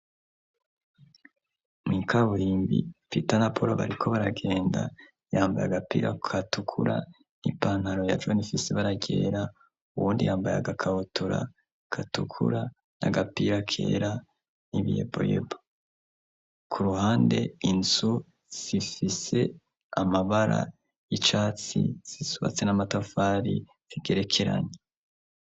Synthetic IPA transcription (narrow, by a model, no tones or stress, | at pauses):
miːkʰaβuɾiːmbḭpitanapʰoɾoβa̰ɾikʰo̞βaɾaɡe̞ːnda̰ | jaːmbajaɡapḭːɾakʰatukʰuɾa̰ | nipaːnhaɾo̞jad͡ʒwonifiseβaɾaɟe̞̰ːɾa | uβuːndijaːmbaja̰ɡakʰaβutʰuɾa̰ | kʰatukʰṵɾa | na̰ɡapiɾakʰe̞̰ːɾa | niβijḛbo̞̰jḛbo | kʰuɾuhaːnde̞inzu | z̥ifise̞ | amaβaɾa̰ | jit͡ʃaːt͡sḭz̥isuβa̰t͡senamatafaːɾi | z̥iɡe̞ɾe̞kʰe̞ɾa̰ɲe